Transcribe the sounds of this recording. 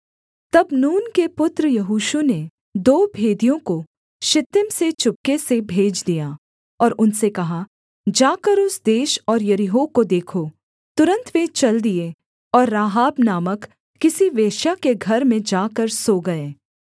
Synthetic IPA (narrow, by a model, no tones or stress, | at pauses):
t̪ɐbnuːnkepʊt̪ɾəjɐɦuːʃune | d̪oːbʱeːd̪ijõko | ʃɪt̪ːɪmset͡ʃʊp̚kesebʱeːd͡ʒd̪ijaː | ɔːɾʊnsekɐɦa | d͡ʒaːkəɾʊsd̪eːʃɔːɾjɐɾɪɦoːkod̪eːkʰo | t̪ʊɾə̃nt̪ʋẽt͡ʃɐld̪ie | ɔːɾːaːɦaːbnaːmək | kɪsiʋeːʃjakeɡʱɐɾmẽd͡ʒaːkəɾsoːɡɐeː